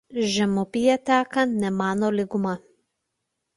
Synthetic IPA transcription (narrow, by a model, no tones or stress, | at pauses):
ʒʲɛmʊpʲɪjɛt̪ʲæːkɐnnʲɛmɑːnoːlʲɪɡʊmɐ